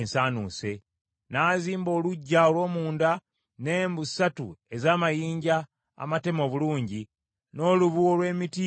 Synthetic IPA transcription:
nsaːnṵse̞ | naːziːmbo̞ːluɟːaolwo̞ːmuːnda | neːmbusatṵe̞zaːmajiːɲɟa̰ː | mate̞mo̞ːβuluːɲɟi | no̞ːluβuolwe̞ːmiti

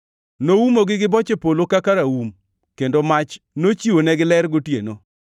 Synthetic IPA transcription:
nowumoɡɪɡɪbɔt͡ʃepolokakaɾawum | kendomat͡ʃ | not͡ʃiwonɛɡɪlɛɾɡotjeno

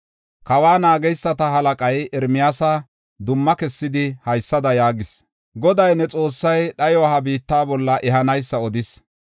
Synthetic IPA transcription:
kɐwaːnaːɡɛjsːɐt̪ɐɦɐlɐkʼɐjɛɾmɪjaːsa | d̪ʊmːɐkɛsːɪd̪ɪhɐjsːɐd̪ɐjaːɡɪs | ɡɔd̪ɐjnɛt͡sʼo̞ːsːɐjɗɐjɔɐɦɐbiːt̪ːaːbɔlːɐʔɛɦɐnɐjsːɐɔd̪ɪs

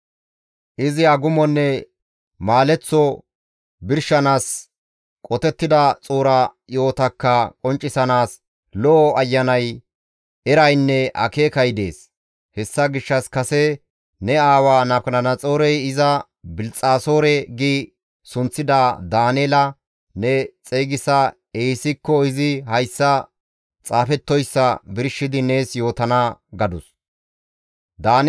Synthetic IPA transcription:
ʔɪzɪaɡʊmɔnːɛ | maːlɛt͡sːɔ | bɪɾʃːɐnaːs | kʼɔt̪ɛt̪ːɪd̪ɐt͡sʼuːɾɐ | jo̞ːt̪ɐkːɐkʼɔnt͡ʃʼːɪsɐnaːs | lɔʔɔɐjːɐnɐj | ɛɾɐjnːɛʔɐ̰ke̞ːkɐjd̪e̞̰ːs | hɛsːɐɡɪʃːɐskɐsɛ | nɛaːwaːnɐpkɐnɐnɐt͡sʼo̞ːɾɛjɪzɐ | bɪlt͡sʼaːso̞ːɾɛɡi | sʊnt͡sːɪd̪ad̪aːneːlɐ | nɛt͡sʼɛɡɪsɐ | eːsɪkːɔɪzɪhɐjsːɐ | t͡sʼaːfɛt̪ːɔjsːɐbɪɾʃːɪd̪ɪne̞ːsjo̞ːt̪ɐnaɡɐd̪ʊs | d̪aːn

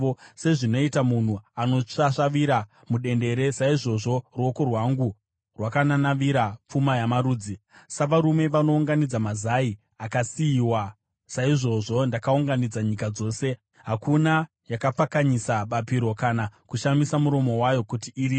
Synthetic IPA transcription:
ose̞ʐino̞itamun̤uano̞ʂaʂaʋiɾa | muɗe̞nde̞ɾe̞saiʐo̞ʐo̞rwoko̞rwaŋɡu | rwakananaʋiɾap͡fumajamaɾuːd͡zisaʋaɾume̞ʋano̞uŋɡanid͡zamazai | akasiiwa | saiʐo̞ʐo̞ndakauŋɡanid͡zaɲikad͡zo̞ːse̞ | ɦakuna | jakap͡fakaɲisaɓapiɾo̞kanakuʃamisamuɾo̞mo̞wajo̞kutiʔiːɾiː

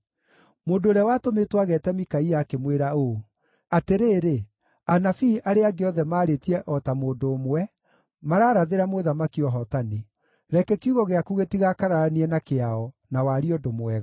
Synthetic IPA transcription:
moːdoːɾɛwatometwaɣɛtɛmikaiakemweɾao | ateɾeːɾe | anafiʔaɾeaɡeɔðɛmaːɾetiɛʔɔtamoːdoːmwɛ | maɾaːɾaðeɾamoðamakiɔɦɔtani | ɾɛkɛkuɣɔɣeakuɣetiɣakaɾaɾaniɛnakeaɔ | nawaɾiɔdomowɛɣa

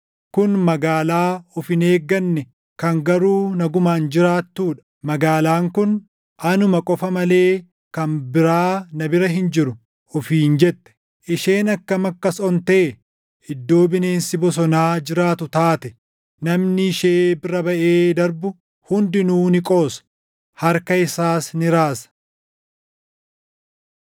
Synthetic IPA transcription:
kʊnmɐɡaːlaːɔfɪne̞ːɡːɐnːɛ | kɐŋɡɐɾuːnɐɡʊmaːnd͡ʒɪɾaːt̪ːuːᶑɐ̥ | mɐɡaːlaːŋkʊn | ʔɐnʊmɐkʼɔfɐmɐle̞ː | kɐnbɪɾaːnɐbɪɾɐɦɪnd͡ʒɪɾʊ | ɔfiːnd͡ʒɛt̪ːɛ̥ | ʔɪʃe̞ːnɐkːɐmɐkːɐsɔnt̪eː | ɪd̪ːo̞ːbɪne̞ːnsɪbɔs̬ɔnaːd͡ʒɪɾaːt̪ʊt̪aːt̪ɛ | nɐmnɪɪʃeːbɪɾɐbɐʔeːd̪ɐɾbʊ | hʊnd̪ɪnuːnɪkʼo̞ːsɐ̥ | hɐɾkɐɪsaːsnɪɾaːsɐ̥

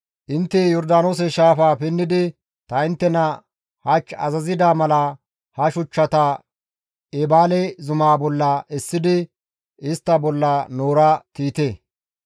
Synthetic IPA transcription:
ʔɪnt̪ːɛjɔɾd̪aːnoːs̬ɛʃaːfaːpɛnːɪd̪ɪ | t̪ɐɪnt̪ːɛnɐ | hɐt͡ʃːɐ̰zɐzɪd̪aːmɐlɐ | hɐʃʊt͡ʃːɐt̪ɐ | ebaːlɛzʊmaːbɔlːɐʔɛsːɪd̪ɪ | ɪst̪ːɐbɔlːɐnoːɾɐt̪iːt̪eː

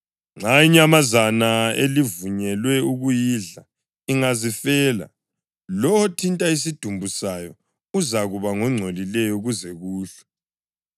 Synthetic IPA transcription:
ŋ͡ǁʱaiɲamazanaelivuɲɛlwɛuɣujiɮa | iŋazifɛːla̰ | lɔwɔtʰintʼais̬id̥ʱumbʱusajɔ | uzaɣuβaŋɔŋ͡ǀʱolilɛjɔuɣuzɛɣuːɬɛ̥

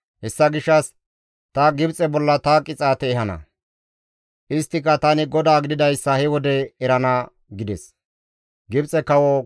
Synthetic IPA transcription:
hɛsːɐɡɪʃːɐs | t̪ɐɡɪbt͡sʼɛbɔlːɐt̪akʼɪt͡sʼaːt̪ɛːhɐnɐ̰ | ʔɪst̪ːɪkːɐt̪ɐnɪɡɔd̪aːɡɪd̪ɪd̪ɐjsːɐhɛwɔd̪ɛɛɾɐnɐ | ɡɪd̪ɛs | ɡɪbt͡sʼɛkɐwɔ

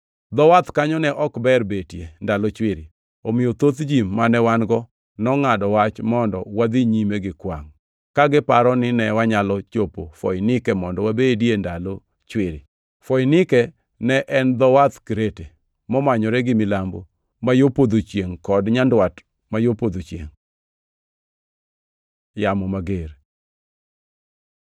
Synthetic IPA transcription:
d̪ɔwat̪kaɲɔnɛʔɔkbɛrbetjendalɔt͡ʃwɪɾi | omɪjot̪ot̪d͡ʒimːanɛwanɡɔ | nɔŋadɔwat͡ʃmɔndɔ̰wad̪iɲimeɡɪkwa̰ŋ | kaɡɪpaɾɔnɪnɛwaɲalɔt͡ʃopofɔ̰jnɪkɛmɔndɔwabediendalo | t͡ʃwɪɾɪ | fɔjnɪkɛ | nɛʔɛnd̪ɔwat̪kɾete | mɔmaɲɔɾɛɡɪmɪlambo̰ | majopod̪ot͡ʃjeŋkɔdɲandwat | majopod̪ot͡ʃjḛŋ | jamɔmaɡeɾ

